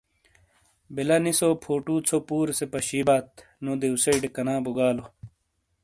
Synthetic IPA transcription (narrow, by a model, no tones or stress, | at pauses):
belɐnisopʰoːʈuːt͡sʰopuːɾsepɐɕiːbaːt̪ | nod̪eusɐiɖekɐnaːbuɡaːlo